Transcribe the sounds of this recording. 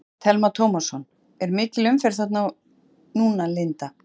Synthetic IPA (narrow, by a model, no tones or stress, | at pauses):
t̪ʰɛlmat̪ʰowmasɔn | ɛɾmɪːcɪlʏmfɪɾ̥θaht̪naw | nuːnalɪnt̪a